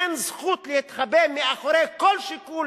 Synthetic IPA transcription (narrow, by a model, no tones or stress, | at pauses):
enzχut̪lehit̪χabemiaχoɾekolʃikul